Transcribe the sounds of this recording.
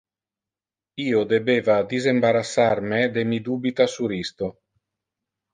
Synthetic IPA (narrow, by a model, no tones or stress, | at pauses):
iːod̪ebeːvad̪izembaɾasːarmed̪emid̪uːbit̪asuɾist̪o